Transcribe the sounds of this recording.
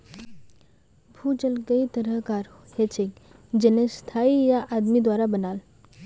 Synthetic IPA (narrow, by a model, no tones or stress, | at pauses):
bʱuːd͡ʒəlɡəit̪əɾəɦkaːɾ | het͡ʃʰekd͡ʒenest̪ʰaijaʔad̪mid̪waːɾabənaːl